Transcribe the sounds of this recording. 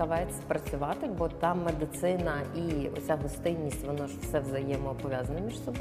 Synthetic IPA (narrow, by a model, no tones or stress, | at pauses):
ɐʋɑjet͡sʲːɐ̥pɾɐt͡sʲʊʋɑt̪ɪbɔt̪ɑmed̪ɪt̪sɪnɐiɔ̰t͡sʲaɦɔst̪ɪnʲːisʲtʲʋɔnɔʒfsɛʋzɐjɛmɔːpɔʋʲjazɐnɐmʲiʃsɔb